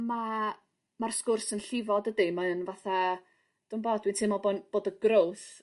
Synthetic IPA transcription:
ma | marskʊrsənɬɪvɔdədimaənvaθa | d̥umboːd̥wɪntʰɨmɔlˠbonb̥oːdəɡrowθ

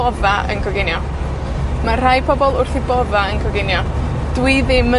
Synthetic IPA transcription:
ɔvaə̰nkʰɔɡɪnjɔ | mar̥ajpʰɔbɔlˠʊrθibɔvaənkʰɔɡɪnjɔ | d̥wɨðɪmə

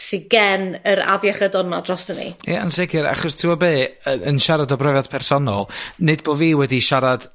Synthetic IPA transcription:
siɡɛnəɾa̰vjaχədɔnadrɔsd̥ənḭjɛansɛɡɪɾa̰χɔstʰɪwɔbeːəənʃaɾadɔbrɔvadpʰɛrsɔnɔlˠnɨd̚boːviːwɛdiʃaɾad̥

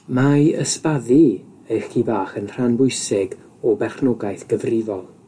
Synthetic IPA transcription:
majəspaðɨ | əjχibaːχənr̥anbʊɨsɪɡ | ɔbɛχnɔɡajθɡ̥əvrɪvɔlˠ

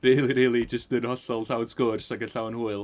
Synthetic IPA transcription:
riːlˠiɾiːlˠid͡ʒəstɨnhɔɬɔlˠɬawd̥skʊrsaɡəɬawnhuːɨlˠ

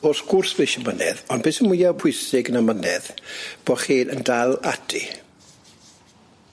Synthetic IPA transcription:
oːsɡ̥ʊrsv̥eʃəmənɛ̰ðɔndb̥eːsənmwɪjapʰʊjsɪɡənamənɛðb̥oχiːəndalˠatʰḭ

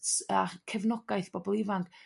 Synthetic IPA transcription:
takʰɛvnɔɡajθb̥ɔbɔlˠɪvank

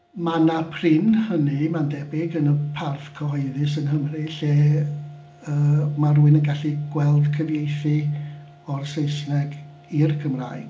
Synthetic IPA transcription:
manapʰrɪnhənimandɛbɪɡənəpʰarfkʰəɦɔɨðɨsənɦəmriɬeː | əːmaruːɨnənɡaɬiɡ̥wɛlˠdkʰəvjejθɨ | ɔrsejsnɛɡ | irkʰəmra̰ːɨɡ̥

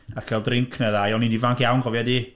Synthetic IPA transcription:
akʰɛlˠdrɪŋkʰnɛðajɔnindivaŋkjawnɡɔvjadi

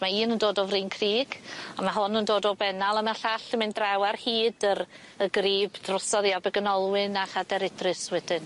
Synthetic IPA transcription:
maiːnəndoːdɔvriːnkʰriːɡ̥amaɦʊnəndoːdɔbɛnalˠəmɛɬaɬəmɪndrawarhiːdəɾ | əɡriːbd̥rɔsɔðjabɛɡənɔlˠwɪnaχadɛɾɪdrɨswɛdɪn

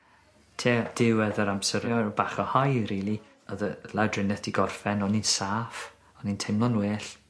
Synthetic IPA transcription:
tʰeːd̥ɪwɛðəɾamsəɾɛɾɔbaχɔhajɾiːlˠi | əðəlˠɛwdrɪnɛθd̥iɡɔrfɛnɔninsaːf | ɔnintʰejmlˠɔnweːɬ

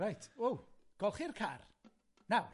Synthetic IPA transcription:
ajtʰowɡ̥ɔlˠχirkʰa̰r | naw

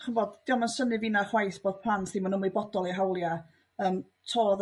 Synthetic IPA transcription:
χənvoːdd̥iːɔmansənɨvɪnaχwajθb̥oːð̥pʰl̥ˠantʰsimanəmlˠibɔdɔlˠiɦawlˠja | əːm | tʰoːð

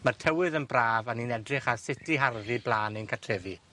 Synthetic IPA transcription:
martʰɛwɨðənbraːvaniːnɛdrɪχasɪtiɦarðiblˠaːnɪnkʰatʰrɛvi

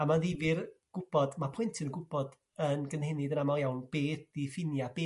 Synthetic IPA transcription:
amaðivɪrɡ̥ʊb̥ɔd̥mapʰɔɨntʰɨnɡʊbɔd | ənɡənhɛnɨdənamalˠjawnb̥eːθifɪnjab̥eː

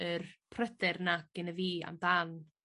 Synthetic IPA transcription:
ərpʰrədɪrnaɡ̥ənəviːa̰mdan

